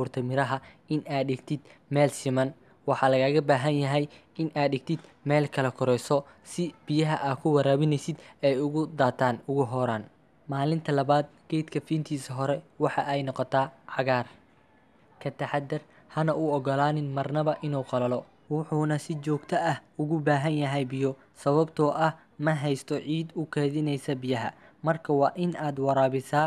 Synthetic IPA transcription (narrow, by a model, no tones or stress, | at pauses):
uːrt̪ʰɐmɪɾɐɦɐɪnaːd̪ɖɪɡt̪ʰɪd̪̥mɛːlsɪmɐn | wɑħɑlɐɣaːɣɐbaːɦɐnjɐɦɛj | ɪnʔaːd̪ɪɡt̪ʰɪd̪mɛːlkʰɐlɐkʰʊɾɛjsɔ | sɪb̥ɪjɐɦɐʔaːkʰʊwɐɾaːβɪnɛjsɪd̪ɛjʊɣʊd̪aːt̪ʰaːnʊɣʊɦɔɾaːn | maːlɪnt̪ʰɐlɐβaːd̪̚ɡ̥ɛjd̪kʰɐfiːnt̪ʰiːsɐɦɔɾɛwɑħɑʔɛjnɔqɔt̪ʰaːʕɑɣaːr | kʰɐt̪ʰɐħɑd̪ɪr | hɐnɐʔuɔɡɔlaːnɪnmɐrnɐβɐʔɪnuːqɑlɐlɔ | wʊħuːnɐsɪt͡ʃɔːɡt̪ʰɐʔɐhʊɣʊbaːɦɐnjɐɦɛjbɪjɔ | sɐβɐbt̪ʰɔːʔɐh | mɐɦɛjst̪ʰɔʕiːd̪ʊkʰɛːðɪnɛjsɐbɪjɐɦɐmɐrkʰɐwɑːʔɪnaːd̪wɑɾaːβɪsaː